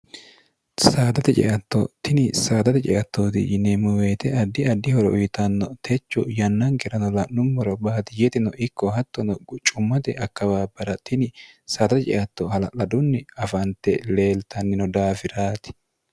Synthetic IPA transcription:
saːd̪ɐt̪ɛt͡ʃʼɛ̰ʔɐt̪ːɔt̪ɪnɪsaːd̪ɐt̪ɛt͡ʃʼɛ̰ʔɐt̪ːoːt̪ɪ̰d͡ʒɪnɛmʊweːt̪ɛɐd̪ːɪɐd̪ːɪhɔɾɔʔʊjɪt̪ɐnːɔt̪ʰɛt͡ʃːɔjɐnːɐŋkɛɾɐnɔlɐʔnʊmːɔɾɔbaːt̪ɪjɛt̪ɪnɔʔɪkːɔhɐt̪ːɔnɔt͡ʃʼʊmːɐt̪ɛ̰ʔɐkːɐwaːbɐɾɐt̪ɪnɪsaːd̪ɐt̪ɛt͡ʃʼɛ̰ʔɐt̪ːɔhɐlɐlɐd̪ʊnːɪɐfɐnt̪ɛle̞ːlt̪ɐnːɪnɔd̪aːfɪɾaːt̪ɪ̥

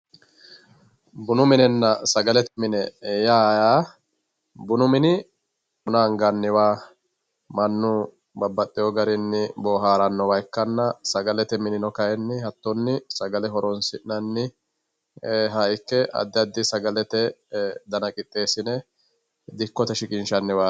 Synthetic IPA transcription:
bʊnʊmɪnɛnːɐsɐɡɐlɛt̪ɛmɪnɛjaːjaː | bʊnʊmɪnɪ | ʊnaːŋɡɐnːɪwaː | mɐnːʊ | bɐbːɐt̪ʼːɪjɔɡɐɾɪnːɪboːɦaːɾɐnːɔwɐjkːɐnːɐsɐɡɐlɛt̪ɛmɪnɪnɔkɐjɛnːɪhɐt̪ːɔnːɪsɐɡɐlɛɦɔɾɔnsɪʔnɐnːɪ | ɦɐjkːɛʔɐ̰d̪ːɪɐd̪ːɪsɐɡɐlɛt̪ɛd̪ɐnɐkʼɪt̪ʼːe̞ːsɪnɛ | d̪ɪkːɔt̪ɛʃɪkʼɪnʃɐnːɪwaː

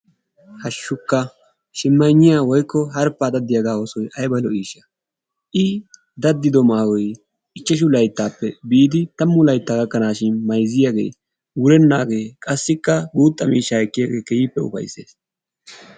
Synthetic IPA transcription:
hɐʃːʊkːɐ | ʃɪmːɐjɲːɪjaːwɔjkːɔɦɐɾpːad̪ɐd̪ːɪjaɡaːɔsɔjʔɐjbɐlɔiːʃɐ | ʔɪ | d̪ɐd̪ːɪd̪ɔmaːwɔj | ɪt͡ʃːɛʃ̬ʊlɐjt̪ːaːpːɛbiːd̪ɪt̪ɐmːʊlɐjt̪ːaːɡɐkːɐnaːʃɪnmɐjzɪjaɡe̞̰ː | wʊɾɛnːaːɡe̞ːkʼɐsːɪkːɐɡuːt̪ʼːɐmiːʃːaːɛkːɪjaɡe̞ːkɛjiːpːɛʊ̰fɐ̰jse̞̰ːs

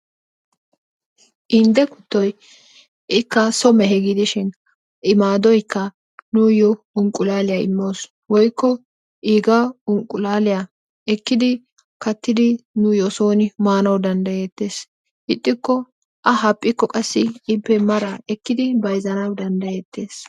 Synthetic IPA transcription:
ʔɪnd̪ɛkʊt̪ːɔj | ʔɪkːɐsɔmɛɦɛɡɪd̪ɪʃɪn | ʔɪmaːd̪ɔjkːɐ | nʊjɔ | ʊŋkʼʊlaːlɪjaɪ̰mːo̞ːs | wɔjkːɔ | ʔiːɡaʊŋkʼʊlaːlɪja | ɛkːɪd̪ɪ | kɐt̪ːɪd̪ɪnʊjɔso̞ːnɪmaːnɐwd̪ɐnd̪ɐjeːt̪ːe̞ːs | ɪt̪ʼːɪkːɔ | ʔɐɦɐpʼːɪkːɔkʼɐsːɪɪpːɛmɐɾaʔɛkːɪd̪ɪbɐjzɐnɐwd̪ɐnd̪ɐjeːt̪ːe̞ːs

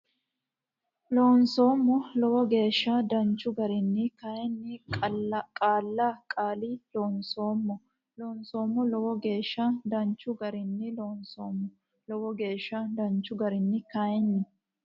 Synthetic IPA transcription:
loːnso̞ːmːɔlɔwɔɡe̞ːʃːɐd̪ɐnt͡ʃːʊɡɐɾɪnːɪkɐjɛnːɪ | kʼaːlːaːkʼaːliloːnsoːmːɔ | loːnso̞ːmːɔlɔwɔɡe̞ːʃːɐd̪ɐnt͡ʃːʊɡɐɾɪnːɪloːnsoːmːɔ | lɔwɔɡe̞ːʃːɐd̪ɐnt͡ʃːʊɡɐɾɪnːɪkɐjɛnːɪ

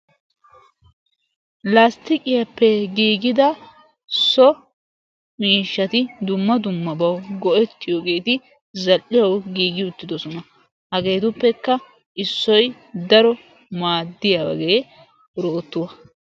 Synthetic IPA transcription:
last̪ɪkʼɪjɐpːɛɡiːɡɪd̪ɐ | sɔ | miːʃːɐt̪ɪd̪ʊmːɐd̪ʊmːɐbɐwɡɔʔɛt̪ːɪjoːɡe̞ːt̪ɪ | zɐlʔɪjɐwɡiːɡɪʊt̪ːɪd̪ɔsɔnɐ | hɐɡe̞ːt̪ʊpːɛkːɐ | ʔɪsːɔj | d̪ɐɾɔ | maːd̪ːɪjawɐ̰ɡeː | ɾoːt̪ːʊwɐ

